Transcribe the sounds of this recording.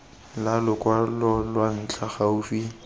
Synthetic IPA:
lalʊkʼwalɔlwan̩t͡ɬʰʼaχaʊfi

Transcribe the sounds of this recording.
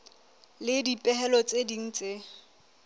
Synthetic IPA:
lɪdipʼɛɦɛlɔt͡sʼediŋ̩t͡sʼe

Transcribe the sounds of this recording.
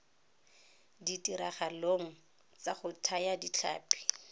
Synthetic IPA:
ditʼiɾaχaloŋ̩ | t͡saχʊtʰajadit͡ɬʰa̰ːpʰi̥

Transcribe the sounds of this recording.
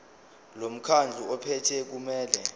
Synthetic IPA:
lom̩kʰand͡ɮʱuɔpʰɛtʰɛk̬umɛːlɛ

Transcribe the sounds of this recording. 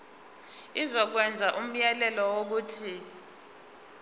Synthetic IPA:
izɔk̬wɛnd͡zʱaʔum̩jɛlɛlɔwok̬uːtʰi

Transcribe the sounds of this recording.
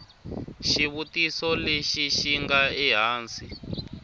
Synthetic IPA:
ʃiβutisɔleʃiʃiŋɡaiɦaːnsi

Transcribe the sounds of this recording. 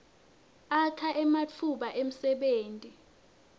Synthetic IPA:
akʰaʔɛmat͡fʰuɓaʔem̩sɛɓeːntʼi

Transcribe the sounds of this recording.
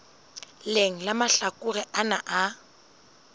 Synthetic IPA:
leŋ̩lamaɬakʼʊrɛʔanaʔa

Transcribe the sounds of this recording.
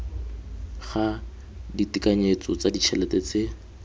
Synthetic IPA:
χa | ditikaɲet͡sɔt͡sadit͡ʃʰɛlɛtet͡se

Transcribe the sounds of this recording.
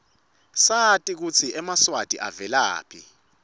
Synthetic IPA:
satʼik̬ut͡sʰiɛmaswatʼiʔa̰vɛla̰ːpʰi

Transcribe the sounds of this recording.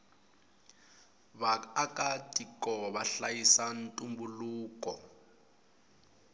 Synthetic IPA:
βaakʼatʼikʼɔβaɬajisantʼumbuluːkʼɔ

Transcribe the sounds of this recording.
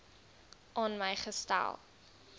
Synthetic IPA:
ʔɑːnməjχəstæ̰lˠ

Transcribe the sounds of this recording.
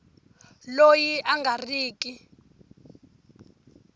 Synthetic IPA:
lojiʔaŋɡariːki

